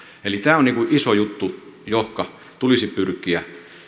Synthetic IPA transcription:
elit̪æːoniːŋkuʔisojut̪ːujohkɑ | t̪ulisipyrkˑiæ

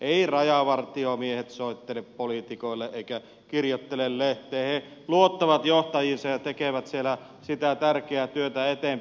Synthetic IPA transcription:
ʔeˑirɑjɑʋɑrt̪iomiehet̪soˑit̪ːeleppolit̪ikoˑelːeʔeˑikæ | kirjot̪ːelelleht̪ˑeːhe | luot̪ːɑʋɑt̪joht̪ɑjinsɑjjɑt̪ekeʋæt̪sielæ | sit̪æt̪ærkeæt̪yøt̪æet̪em

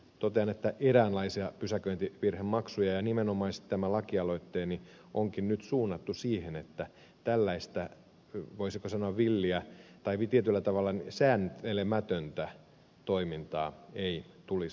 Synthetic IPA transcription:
t̪ot̪eɑnet̪ːæʔeɾæːnlɑisiɑpysækøint̪iʋirhemmɑksujɑjɑnimenomɑisit̪t̪æmælɑkiɑloit̪ːeːni | ʔoŋkinnyt̪suːnːɑt̪ːusiːhenet̪ːæ | t̪ælːæist̪æ | ʋoisikosɑnoɑʋʋilːiæt̪ɑiʋt̪iet̪ylːæt̪ɑʋɑlːɑnisæːnelemæt̪ønt̪æ | t̪oimint̪ɑːei | t̪uli

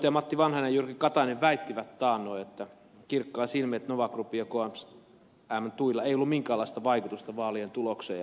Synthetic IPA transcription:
t̪jɑmɑt̪ːiʋɑnhɑnejjurkikɑt̪ɑineʋʋæit̪ːiʋæt̪t̪ɑːnːˑoiet̪ːæ | kirkːɑːsilmet̪noʋɑkrupːijɑkoɑms | æmːnt̪uilːɑeˑijolːumiŋkæːlːˑɑist̪ɑʋɑikut̪ust̪ɑʋɑːlient̪uloksḛːɑ

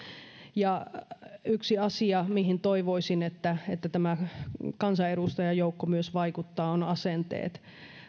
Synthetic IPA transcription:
jɑ | yksiɑsiɑmihint̪oiʋoisinet̪ːæet̪ːæt̪æmækɑnsɑeɾust̪ɑjɑjoukːomyøsʋɑikut̪ːɑːonɑsent̪ḛːt̪

